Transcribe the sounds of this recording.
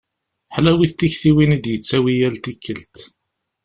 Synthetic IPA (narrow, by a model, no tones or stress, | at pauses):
ħlæwiθt̪ːiçθiwinid̪jət͡sːæwijælt̪ikːəlt̪